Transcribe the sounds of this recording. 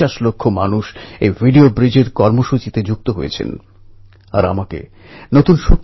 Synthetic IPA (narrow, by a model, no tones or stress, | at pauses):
aʃlokʰːomanuʃejvʱiɖiobɾid͡ʑeɾkɔɾmoʃut͡ɕit̪ed͡ʑuk̚t̪oɦojḛt͡ɕʰḛn | a̰ɾa̰makḛ | not̪unʃuk